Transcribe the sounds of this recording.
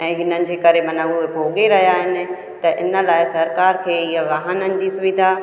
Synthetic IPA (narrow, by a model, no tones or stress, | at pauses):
ɛ̃ːɦɪnənɪ̆d͡ʑeːkɐɾemɐnəʊɦebʱoːɡeɾɐɦijaːɦɪnɪ̆ | t̪ɐʔɪnə̆laːɪsɐɾkaːɾkʰeːiɦaʋɐɦənənɪ̆d͡ʑiːsʊʋɪd̪ʱa